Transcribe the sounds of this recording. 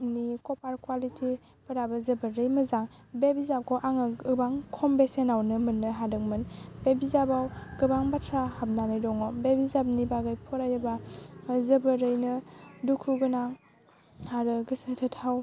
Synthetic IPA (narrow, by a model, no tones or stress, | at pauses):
nikɔpaɾkwalitʰi | pəɾabɐzəbəɾɯjmɐzaŋ | bebizap̚kʰɔʔaŋɯɯbaŋkʰɔmbesenawnɯmɯnːɯɦadɯkmɯnbebizabawɡ̥ɯbaŋbatʰɾahap̚nanɯjdɔŋɔbebizab̚nibaɡajpʰɔɾajɯbazəbəɾɯjnɯdukʰuɡɯnaŋ | haɾɯɡɯsɯtʰɯtʰaw